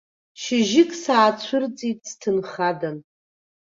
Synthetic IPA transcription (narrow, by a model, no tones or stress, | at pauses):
ʃɪʒɪkʼsaːt͡ɕʷʰʊrt͡sʼitʼstʰɨnχadan